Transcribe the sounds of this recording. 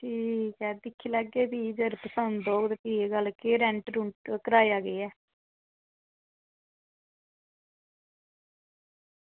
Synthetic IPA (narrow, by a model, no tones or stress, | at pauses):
ʈʰiːkɛːd̪ɪkʰːiːləɡeːbiːd͡ʒəɾpəsənd̪oːɡd̪piːeɡəlkeːɾɛ̃ɳʈɾʊɳʈkəɾaːjaːɡeːɛː